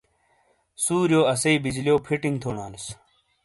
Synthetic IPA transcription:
suːɾjoːɐsɐibid͡ʑlijoːpʰiʈiŋɡt̪ʰoːɳaːnis

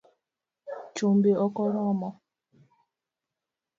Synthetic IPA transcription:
t͡ʃombeɔkɔɾɔmɔ

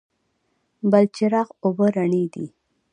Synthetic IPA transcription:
balt͡ʃɪɾɑqobəɾaɳid̪ḭ

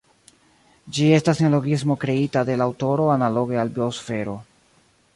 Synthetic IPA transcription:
d͡ʒie̞staselo̞ɡismo̞kɾe̞itade̞lawto̞ɾo̞analo̞ɡe̞albiosfe̞ɾo̞

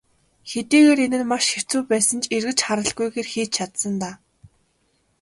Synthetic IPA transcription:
xet̪iːɣeːɾenɘ̆nmaʃxew̥t͡suːpæːsə̆nt͡ɕerɣɘ̆t͡ɕχaɾə̆ɮɡujɣeːrxiːt͡ɕt͡ɕʰat̪sə̆nt̪aː

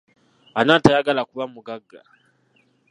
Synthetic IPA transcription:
anaːtajaɡalakuβamuɡaɡːa̰

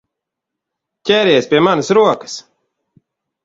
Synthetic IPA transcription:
cʲɛɾʲeːspʲiɛmanəsɾuɔkə̥s

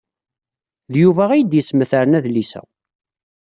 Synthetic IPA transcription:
ðjuvæʁijəd̪jəsməθəɾənæðlisæ̰

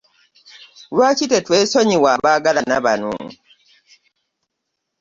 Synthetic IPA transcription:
lwaːcitetweːsoɲiwaβaɡalanaβanṵːŋ

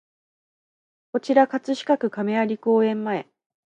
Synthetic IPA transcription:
ko̞t͡ɕiɾakat͡sɨɕi̥kakɯ̟kame̞aɾʲiko̞ːẽ̞mːae̞

